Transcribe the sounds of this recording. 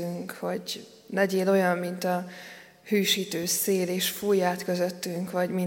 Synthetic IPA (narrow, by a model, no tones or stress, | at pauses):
yŋkho̞ɟ | nɛɟeːlo̞jɒmːint̪ɒ | hyːʃiːt̪øːseːleːʃfujːaːt̪kø̞zøt̪ːyŋkvɒɟmi